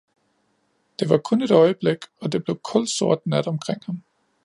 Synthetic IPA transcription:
d̥e̝ʋɑ̈kʰɔ̽ne̝d̥ɒ̽ɪəb̥leɡ̥ɒ̽d̥e̝b̥le̝ʊkʰɒ̽l̰̥so̝ɐ̰d̥næd̥ɒ̽mkʰʁeŋ̰hɑm

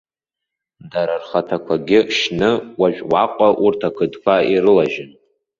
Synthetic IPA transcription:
daɾarχatʰakʷʰaɡʲɪʃnɨwaʒʷᶣwaqʷʼaʔurtʰakʷʰɨdkʷʰaiɾɨlaʒɪn

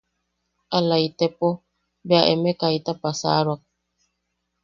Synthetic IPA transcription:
alaitɛpɔ | bɛaʔɛmɛkaitapasa̰ːɾwak̚

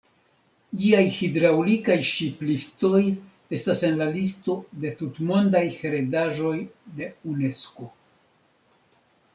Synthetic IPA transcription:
d͡ʒiajhidɾawlikajʃiplisto̞j | e̞stase̞nlalisto̞de̞tutmo̞ndajhe̞ɾedaʒo̞jde̞une̞sko̞

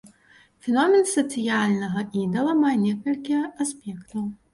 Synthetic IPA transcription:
fʲɛnɔmʲɛnsɐt̪sɨjalʲnɐɣɐʔid̪ɐlˠɐmajɛnʲɛkɐlʲkʲijɛʔasʲpʲɛkt̪ɐw

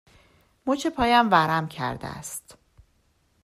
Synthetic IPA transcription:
mot͡ʃʰepʰɒːjæmvæɾæmcʰæ̰ɾd̪ḛæ̰st̪

